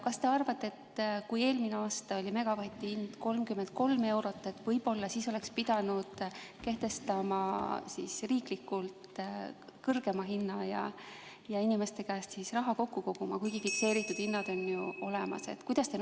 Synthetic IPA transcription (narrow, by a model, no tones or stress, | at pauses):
kɑst̪e̞ɑrvɑt̪ːe̞t̪kuje̞ːlmineɑːst̪ɑo̞lʲime̞ɡ̥ɑvɑt̪ʲːˑihind̪̥ko̞lmkymend̪̥̚ko̞lme̞wɾo̞t̪ːˑe̞t̪ːvɤjb̥o̞lːɑsiːso̞le̞kspid̪̥ɑnud̪̥ke̞ht̪e̞st̪ɑmɑsisriːklikːˑult̪ | kɤrɡ̥e̞mɑɦinːɑjɑ̰ | jɑinime̞st̪e̞kæːssisrɑɦɑko̞kːuko̞kumɑ̰kujɡ̥ifikse̞ːɾit̪ːˑud̪̥hinːɑd̪̥o̞njuo̞le̞mɑ̰se̞̰t̪kujd̪̥ɑst̪e